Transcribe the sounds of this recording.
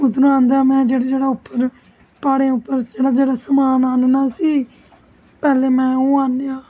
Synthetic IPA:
ʊt̪nũãːnd̪aːmɛ̃ːd͡ʒeːɽeːd͡ʒeːɽaːʊpːəɾ | paːɽeʊpːəɾd͡ʒeːɽaːd͡ʒeːɽaːsəmaːnaːnnaːsiː | pɛːleːmɛ̃ːõːaːnjãː

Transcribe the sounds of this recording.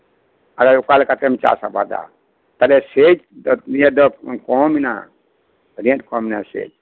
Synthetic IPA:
aɡaukalkat̪emt͡ʃa̰saba̰d̪a̰ | t̪əlesed͡ʒjed̪ɔkɔmina̰ | ɾẽʈkominasḛd͡ʒ

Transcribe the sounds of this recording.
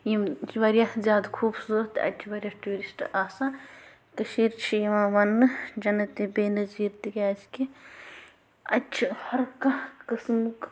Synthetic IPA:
jimjiʋɐɾjazjaːd̪kʰuːbsoːt̪ɐ̰t͡ʃʰiʋɐɾʲjaʈuːɾisʈʔaːsa | t̪ɨʃiːɾt͡ʃʰijiʋãːʋɐnːɨd͡ʒɐnɐt̪ibeːnɐziɾt̪ikʲaːski | ɐt͡ʃʰihɐɾkãkɨsmk

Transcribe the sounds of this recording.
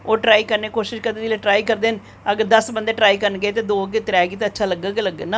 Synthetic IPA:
oːʈɾaːiːkəɾneːkoːʃɪʃkəɾd̪eːd͡ʒɪleːʈɾaːikəɾd̪eːn | əɡəɾd̪əsbənd̪eːʈɾaːikəɾnɡeːt̪̬eːd̪oːəɡeːt̪ɪɾɛːɡiːt̪ẽːətːʃʰaːləɡəɡeləɡənaː

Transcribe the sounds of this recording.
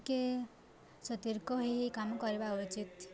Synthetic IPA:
ke | sʌt̪iɾkɔɦiɦikamkɔɾebaut͡ʃit̪

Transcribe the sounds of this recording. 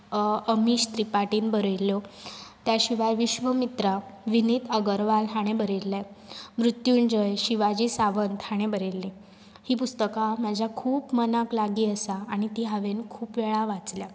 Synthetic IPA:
əmiːɕt̪ɾipaʈiːnbəɾelːot̪jaɕiʋaɾʋiɕʋəmit̪ɾaʋinit̪ʰəɡəɾʋalɦaɽ̃ebəɾelːamɾut̪juːnd͡ʑəjɕiʋad͡ʑiːsaʋənt̪haɽ̃ebəɾelːi | hiːpust̪əkamad͡ʑʱjakʰuːpmənaklaɡiːəsaaɽ̃it̪iːɦəʋenkʰuːpʋeɭaʋat͡slja

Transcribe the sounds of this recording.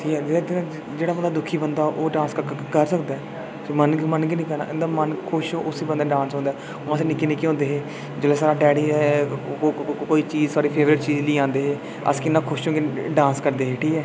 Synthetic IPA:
ʈʰiːkɛːd͡ʒeːad̪ɪnãː | d͡ʒeːɽaːbənd̪aːd̪ʊkʰiːbənd̪aːʔoːɖãːnskəɾsəkd̪aː | smənɡmənɡinĩːkəɾna̰ːʔɪ̃nd̪aːmənkʰʊʃoːʔʊsiːbə̃nd̪aːɖãːnsɦõnd̪aː | ãːsenɪkːiːnɪkiːɦõːnd̪eːɦeː | d͡ʒʊleːsaːɾaːɖɛːɽiːɛː | koːiːt͡ʃiːzsaːɾiːpʰeːʋɾɪʈ̚t͡ʃiːd͡ʒliːãːnd̪eːɦeː | ə̰skɪnːãːkʰʊʃõːɡeɖãːnskəɾd̪eːɦeːʈʰiːkɛː

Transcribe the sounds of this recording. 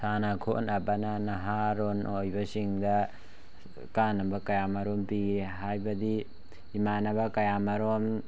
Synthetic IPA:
sanɐkʰo̰ʔnɐbɐnɐnɐɦaɾonʔojbɐsiŋdɐ | kanɐbɐkɐjamɐɾompiɡeɦajbɐdiː | manɐbɐkɐjamɐɾom

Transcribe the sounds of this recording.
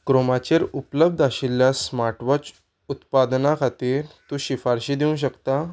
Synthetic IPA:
kɾomat͡ɕeɾupləb̚d̪ʱaɕiljasmaɾʈʋɔt͡s | ut̪pad̪nakʰat̪iːɾt̪ũːɕifaɾɕiːd̪iũːɕ̬əkt̪a

